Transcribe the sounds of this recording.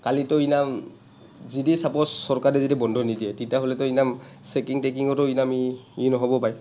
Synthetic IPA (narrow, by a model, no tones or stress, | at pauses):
kalitɔinam | zidisapɔsɔɹkaɹɛzidibɔndʱɔnidijɛtitiaɦolɛtɔinam | sekiŋtek̬iŋɔtɔinamiinɔɦɔbɔpaj